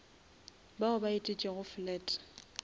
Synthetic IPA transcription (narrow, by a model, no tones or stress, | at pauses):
baʊbaitʼɪt͡ʃʼɪɣʊflɛːtʼ